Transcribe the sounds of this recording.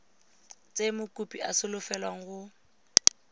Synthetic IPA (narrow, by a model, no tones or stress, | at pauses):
t͡sʼemʊkʼupʼiʔasɪlʊfɛlwaŋ̩ɣʊ